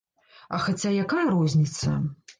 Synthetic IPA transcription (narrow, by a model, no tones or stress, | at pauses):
ɐxat͡sʲajakajɐɾɔzʲnʲit̪sɐ̰